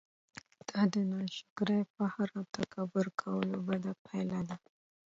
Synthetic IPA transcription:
d̪̥ɑd̪ənɑʃʊ̥ɡɾajpahaɾat̪akʰabəɾkʰawəlobad̪apʰajlad̪a

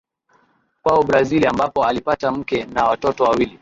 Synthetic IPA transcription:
pwaɔbɾaziliambapɔalipatam̩kɛnawatɔtɔwawili

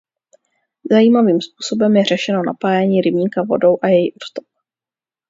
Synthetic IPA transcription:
zajiːmaviːmspuːso̞bɛmjɛr̝ɛʃɛno̞na̰paːjɛɲiːɾɪbɲiːkavo̞̰do̞wʔajɛjiʔod̪st̪op̚

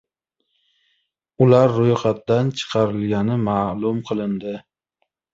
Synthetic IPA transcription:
ʊlaɾːojχɑt̪d̪ant͡ʃʰɨ̥qʰɑɾɪlɡʲanɪmaːlˠʊmqʰɨlˠɪnd̪ɪ

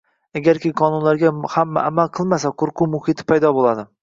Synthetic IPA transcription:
aɡʲaɾkʲɪqʰɒnʊnlaɾɡʲahamːa̰ʔamalˠqʰɨlˠmasaqʰoɾqʰʊmʊhɪt̪ʰɪ̥pʰajd̪ɒbolˠad̪ɪ

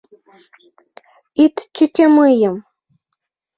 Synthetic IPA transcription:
ɪt̪t͡ʃʊtʲamʊjam

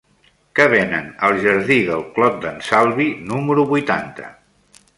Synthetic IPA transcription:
kəβ̞enə̰nəlˠʒəɾðiðəlˠklɔt̪̚d̪ənsalˠβinuməɾuβujt̪ant̪ə̰

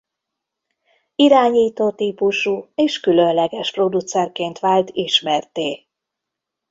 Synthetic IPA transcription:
iɾaːɲiːt̪oːt̪iːpuʃuːeːʃkylø̞nlɛɡɛʃpro̞d̪ut̪sɛrkeːnt̪ʋaːlt̪iʃmɛrt̪eː

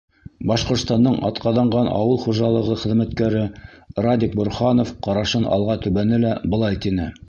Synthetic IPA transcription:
bɑʃqŏɾt̪st̪ɑnd̪ɤɴɑ̰t̪qɑðɑɴɢɑnɑ̰wɤlˠχuʒɑlˠɤ̆ʁɤχɘ̆ðmæt̪kæɾɘrad̪ʲik̚bŏɾχɑnofqɑɾɑʃɤnɑ̰lˠʁɑt̪ʉβænɘlæbɤ̆lˠɑjt̪inɘ

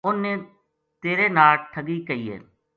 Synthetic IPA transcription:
ʊnːẽː | t̪eːɾeːnaːʈʈʰəɡiːkəiːḛː

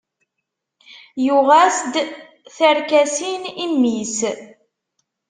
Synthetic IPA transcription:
juʁæsd̪ | θəɾkæsinimːis

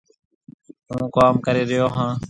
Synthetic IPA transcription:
ɦũːkaːmkəɾeːɾɪjoːɦãː

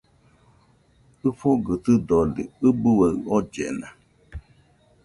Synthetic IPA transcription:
ɨfɔɡət̪ɨdɔlḭɨbuwəɔd͡ʒɛ̰na

